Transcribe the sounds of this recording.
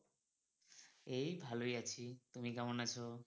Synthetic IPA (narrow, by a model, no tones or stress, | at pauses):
ejbʱalojat͡ɕʰit̪umikamonat͡ɕʰo